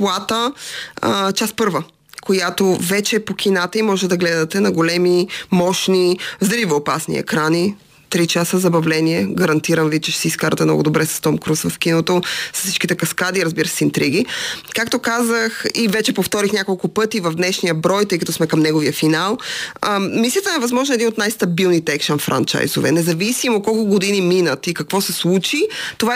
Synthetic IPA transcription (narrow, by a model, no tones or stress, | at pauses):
plˠat̪ə | t͡ʃaspɤɾvə | kojat̪ovɛt͡ʃɛːpok̟ʰʲinat̪əimɔʒɛt̪ɛd̪ɐɡlɛd̪ɐt̪ɛnɐɡolɛmimɔʃnizd̪livoːpasnḭɛ̰kɾani | t̪ɾit͡ʃasəzɐbɐvlɛniɛɡɐɾɐnt̪iɾɐmvit͡ʃɛʃɛsɛiskaɾɐt̪ɛmnɔ̰ɡʊd̪obɾɛsɐ̥st̪ɔmkɾusvɐfk̟inot̪osɐ̥ssi̥t͡ʃkit̪ɛkɐskad̪iɾəzbiɾəsɛint̪ɾiɡ̟ikak̚t̪okazəxivɛt͡ʃɛpoft̪ɔɾixnʲakolˠkʊpɤt̪ivɐvd̪nɛʃnijəbɾɔjt̪ɤjkɐt̪ɔsmɛkɐmnɛɡoviəfinalˠ | mislijət̪əɛvɐzmɔʒnoɛd̪inot̪najst̪ɐbilˠnit̪ɛɛkʃənfɾa̰nt͡ʃa̰jzo̰vɛ̰nɛzɐvisimot̪̚kɔlˠkʊɡod̪iniminət̪ikɐkvɔsɛslˠut͡ʃit̪ova